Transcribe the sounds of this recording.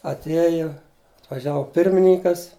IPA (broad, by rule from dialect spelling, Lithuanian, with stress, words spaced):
ɐtʲˈiɛjʊ ɐtʋɐˈʒʲæːʋoː ˈpʲɪrʲmʲɪnʲɪŋkɐs